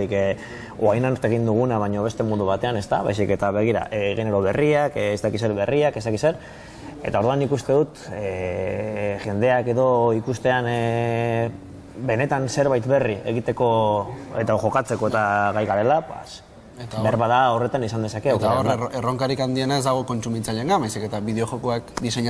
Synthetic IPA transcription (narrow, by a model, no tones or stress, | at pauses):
ik | oajnaɾt̪e̞ɣ̞ind̪uɣ̞unaβ̞aɲo̞βe̞st̪e̞mund̪uβ̞at̪e̞ane̞st̪aβa̰jsike̞t̪aβe̞ɣ̞iɾa̰ʔeːɣine̞ɾo̞β̞e̞riakːst̪akise̞ɾβe̞riake̞st̪akise̞ɾ | e̞t̪ao̞ɾðuanːikust̪e̞ðut̪ | ʝe̞nd̪e̞ake̞ðo̞ikust̪e̞an | be̞ne̞t̪anse̞ɾβajt̪be̞rie̞̰ɣit̪e̞ko̞ḛt̪axo̞kat͡se̞ko̞et̪aɣajɣaɾe̞lapḛs | et̪aɾβaðaore̞t̪anisand̪eake̞aoɾeroŋkaɾikand̪ie̞nae̞zd̪aɣ̞o̞ko̞nt͡ʃumint͡saʎeŋɡaβajsike̞t̪aβiðeo̞xokoakd̪iseɲa